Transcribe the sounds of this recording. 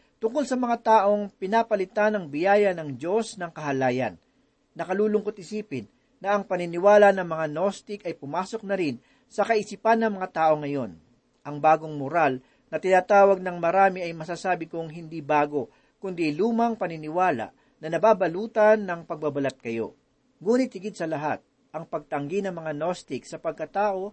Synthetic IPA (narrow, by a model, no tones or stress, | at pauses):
t̪ʊŋkolsɐmɐŋat̪aːʔo̞ŋpɪnapɐlɪt̪anɐŋbɪjaːjɐnɐŋd͡ʒo̞snɐŋkɐɦɐlaːjɐ̰nː | ɐkɐluːlʊŋkot̪̚ʔɪsiːpɪnː | ɐʔɐŋpɐnɪnɪwaːlɐnɐŋmɐŋano̞st̪ɪkɐjpʊmaːso̞k̚nɐɾɪn | sɐkɐʔɪsipanːɐŋmɐŋat̪aːʔo̞ŋɐjo̞n | ʔɐŋbaːɡo̞ŋmʊɾal | nɐt̪ɪnaːt̪aːwɐɡ̚nɐŋmɐɾaːmiʔɐjmɐsaːsaːbɪkʊŋɦɪnd̪ibaːɡo̞ | kʊnd̪iluːmɐŋpɐnɪnɪwaːlɐ̰ʔ | nɐnɐbabɐluːt̪ɐnːɐŋpɐɡ̚bɐbɐlat̪̚kɐjo̞̰ | ŋuːnɪt̪̚hɪɡɪd̪sɐlɐɦat̪̚ | ʔɐŋpɐɡ̚t̪ɐŋɡinɐŋmɐŋanost̪ɪk̚sɐpɐɡ̚kɐt̪aːʔo̞